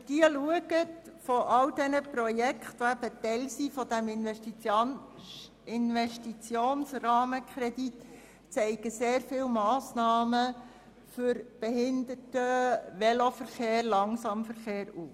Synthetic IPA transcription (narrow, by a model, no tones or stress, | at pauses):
d̥iəluəɡətfɔʔɑldɛnəprɔjɛkχtʋoæb̥ətɛlsifɔdæmɪnɛʃti | ɪnʋɛʃtit͡sjoːnsrɑːməkʰɾɛdit | t͡sɛɪɡəseːrfɪlmɑːsnɑːmə | fʏɾb̥ɛhɪnd̪ətəʋɛlofəɾχeːɾlɑŋsɑmfəɾχeːɾuːf